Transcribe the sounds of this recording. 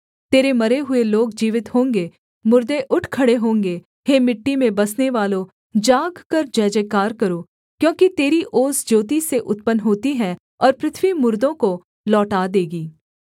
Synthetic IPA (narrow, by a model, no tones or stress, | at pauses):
t̪eːɾemɐɾeɦʊeloːɡd͡ʒiːʋɪt̪ɦõːŋɡe | mʊɾd̪eʔʊʈʰkʰɐɽeɦõːŋɡe | ɦeːmɪʈːimẽbɐsneʋaːlõ | d͡ʒaːɡkɐɾd͡ʒɛːd͡ʒekaːɾkɐɾoː | kjõːkit̪eːɾiʔoːzd͡ʒoːt̪iseʔʊt̪̚pənɦoːt̪iɦɛ̃ | ɔːɾpɾɪt̪ʰʋimʊɾd̪õko | lɔːʈaːd̪eːɡiː